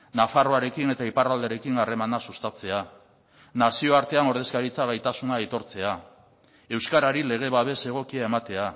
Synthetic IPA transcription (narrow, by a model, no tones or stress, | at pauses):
nafaroaɾe̞kine̞t̪aiparald̪e̞ɾe̞kiŋare̞manasust̪at͡se̞a | nasioaɾt̪e̞ano̞ɾð̞e̞skaɾit͡saɣ̞ajt̪asunait̪o̞ɾt͡se̞a | e̞wskaɾaɾile̞ɣ̞e̞βaβe̞se̞ɣ̞o̞kiae̞mat̪e̞a